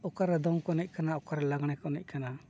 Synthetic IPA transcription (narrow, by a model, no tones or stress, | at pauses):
ɔkaɾɛd̪ɔŋkɔnɛc̚kanaɔkaɾɛlaɡɽ̃ɛkɔnɛc̚ˀkana